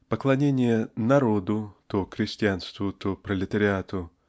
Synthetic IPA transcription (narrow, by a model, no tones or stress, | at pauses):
pəklˠɐnʲenʲɪjənɐɾod̪ʊt̪oxɾʲɪsʲtʲɪanst̪vʊt̪opɾəlʲɪt̪əɾʲɪat̪ʊ